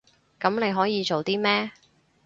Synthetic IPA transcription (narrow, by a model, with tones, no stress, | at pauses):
kɐ˨˥mne˨˧jɦɔː˨˥jiː˨˧t͡ʃo˨wt̪iː˥mɛː˥